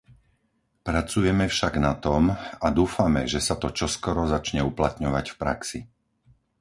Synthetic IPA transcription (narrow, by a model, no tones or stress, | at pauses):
pɾat͡sujɛmɛfʃaɡnat̪ɔmad̪uːfamɛʒɛsat̪ɔt͡ʃɔskɔɾɔzat͡ʃɲɛuplat̪ɲɔʋacfpɾa̰ksi